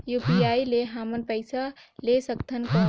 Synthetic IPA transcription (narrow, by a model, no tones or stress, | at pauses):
jupiaileɦamənpəɪsalesəkt̪ʰənkə